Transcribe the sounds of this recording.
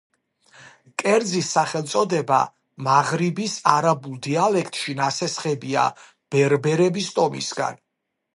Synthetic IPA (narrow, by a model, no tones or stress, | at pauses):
kʼɛɾd̪zisːaχɛlˠt̪sʼɔd̪ɛba̰ | maʁɾibisaɾabulˠd̪ialɛkʰt̪ʼʃinasɛsχɛbia̰ | b̥ɛɾbɛɾɛbist̪ʼɔmḭsɡa̰n